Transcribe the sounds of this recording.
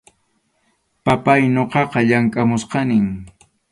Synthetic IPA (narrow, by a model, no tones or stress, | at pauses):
papajɲoqɑqɑʎaŋkʼamʊsqɑnɪŋ